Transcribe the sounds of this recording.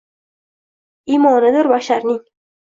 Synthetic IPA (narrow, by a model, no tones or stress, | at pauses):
imɒnɪd̪ɪɾbaʃaɾnɪŋ